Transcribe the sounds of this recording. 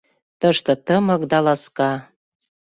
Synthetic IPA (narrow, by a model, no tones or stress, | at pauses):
t̪əʃt̪ɤ̆t̪əmɤ̆kd̪ɑlɑskɑ